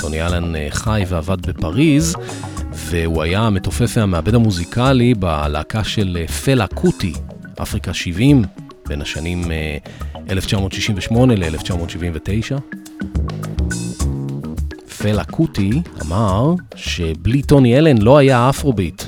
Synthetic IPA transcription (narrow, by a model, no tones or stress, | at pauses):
to̞nielenχajveavad̚be̞paʁiz | veuajame̞to̞fefeameabedamuzikʰaliba̰la̰ːkaʃe̞lfelakʰuti | ʔa̰fʁikaʃivim | b̥e̞nhaʃanim | ʔeleft͡ʃamo̞ːtʃiʃiɱveʃmo̞ne̞leeleft͡ʃamo̞tʃivimvete̞jʃa | felakʰutia̰maʁʃe̞blito̞nielenlo̞ajaafʁo̞bit